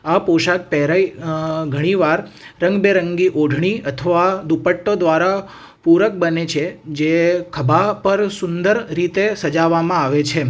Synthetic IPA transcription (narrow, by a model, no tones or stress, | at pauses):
apoʃak̚pɛɦɾaiɡʱəɽ̃iʋaɾːə̃ŋɡbeɾəŋɡiʔoɖʱɳ̃iət̪ʰəʋad̪upəʈːod̪ʋaɾa | puɾək̚bənet͡ʃʰed͡ʒekʰəbapəɾsʊnd̪əɾɾit̪esəd͡ʒaʋamãaʋet͡ʃʰe